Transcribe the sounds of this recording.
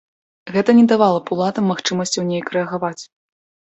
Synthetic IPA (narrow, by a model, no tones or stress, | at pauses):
ɣɛt̪ɐnʲɛd̪avalˠɐpuwlˠat̪ɐmːaxt͡ʂɨmɐsʲt͡sʲiwnʲejkɾɛɐɣavat͡sʲ